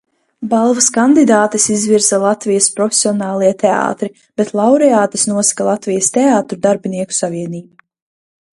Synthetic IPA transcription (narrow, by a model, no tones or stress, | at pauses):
balˠvaskand̪id̪aːt̪isizviɾzalˠat̪vijɐspɾɔfʲe̥sʲiɔnaːlˠiɛt̪ʰea̰ːt̪ɾi | b̥et̪lˠawɾɛaːt̪ɐsnuɔsḁkalˠat̪vijɐst̪eaːt̪ɾud̪aɾbiniɛku̥saviɛniːba